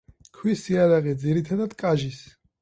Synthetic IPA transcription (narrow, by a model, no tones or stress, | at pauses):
kʰwisiaɾaʁɛd̪ziɾit̪ʰad̪ad̪̥kʼaʒis